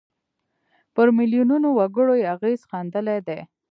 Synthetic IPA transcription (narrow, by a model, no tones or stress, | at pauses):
pəɾmɪljununowaɡəɽojeaɣezxɑnd̪əled̪e